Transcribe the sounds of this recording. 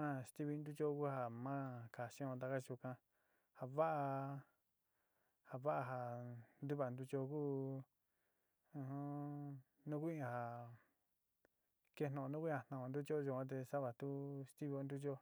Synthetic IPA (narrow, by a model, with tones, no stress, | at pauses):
ã˦˧st̪i˦βi˧nd̪u˦t͡ʃo˦ku˦ɦa˧˨mã˦ka˨ʃĩ˦õ˧t̪̬a˧ka˦t͡ʃu˧kã˧ | ha˧βa˦ʔa˧ | ha˨βa˦ʔa˧ɦa˨nd̪u˦βa˨nd̪u˧t͡ʃo˧ku˦˧ | hõ˦ | nũ˦ku˦ĩ˦ã˨ha˨ | ke˧˦nõ˨õ˧nũ˦ku˦ã˨nã˨õ˨˧nd̪u˦t͡ʃo˦˧ʒu˧˨kʷã˦t̪̬e˧sa˦βa˨t̪u˦st̪i˦βi˧o˧nd̪u˦t͡ʃo˦